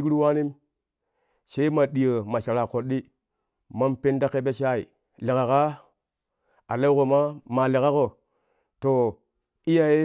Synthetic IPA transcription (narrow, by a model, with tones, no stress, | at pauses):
kɾi˦wa˦ni˦m | se˦i˦ma˨ɗi˨jə˨ma˨ʃa˨ɾa˨ko˨ɗi˦ | ma˦mpe˦nda˦ke˦be˦ʃa˦ḭ˨ | li˨ka˨ka˦ | a˨le˦ko˨ma˦ma˨li˨ka˦ko˨ | to˨ | i˦ja˨je˦